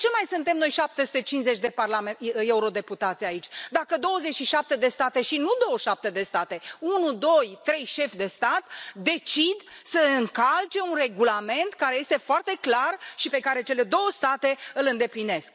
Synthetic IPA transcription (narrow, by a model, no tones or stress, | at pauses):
t͡ʃe̞majsɨnt̪e̞mno̞jʃap̚t̪esu̥t̪et͡ʃinzet͡ʃʲd̪e̞parlameeuɾo̞d̪e̞put̪at̪sʲait͡ʃʲd̪akəd̪o̞wəze̞t͡ʃʲʃiʃap̚t̪e̞d̪e̞st̪at̪e̞ʃinud̪o̞wəʃap̚t̪e̞d̪e̞st̪at̪e̞unud̪o̞jt̪ɾe̞jʃe̞fd̪e̞st̪at̪d̪e̞t͡ʃid̪səɨŋkalt͡ʃe̞unre̞ɡulame̞nt̪kaɾeje̞st̪e̞foart̪e̞klarʃipe̞kaɾe̞t͡ʃe̞le̞d̪o̞wəst̪at̪e̞ɨlɨnd̪e̞pline̞sk̚